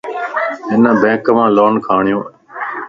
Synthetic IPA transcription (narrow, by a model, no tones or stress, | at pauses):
ɪnəbẽːkmãːloːnkʰaːɳɪjõː